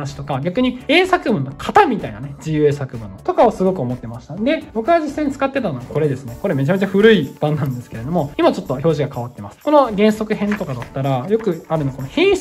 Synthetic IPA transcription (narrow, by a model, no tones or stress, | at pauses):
naɕi̥t̪o̞kaɡʲakɯ̟ɲ̟ie̞ːsakɯ̟bɯ̟nːo̞kʰat̪amʲit̪aḭna̰ned͡ʑijɯ̟esakɯ̟bɯ̟̃nːot̪o̞kaosɨɡo̞kɯo̞mo̞t̪ːe̞maɕi̥t̪ad̪e̞bo̞kɯ̟ɡad͡ʑisːãiɲ̟it͡sɨ̥kat̪ːe̞t̪anoɡako̞ɾe̞d̪esɨne̞ko̞ɾe̞me̞t͡ɕame̞t͡ɕaɸɯ̟ɾɯ̟ib̥ãnːãnd̪e̞sɨ̥keɾe̞d̪o̞mo̞imat͡ɕo̞t̪ːo̞ço̞ːʑiɡakaβat̪ːe̞masɨ̥ko̞no̞ɡẽ̞ɰ̃so̞kɯ̟ɦẽ̞nt̪o̞kad̪at̪ːaɾajo̞kɯ̟aɾɯnakonohẽ̞ɰ̃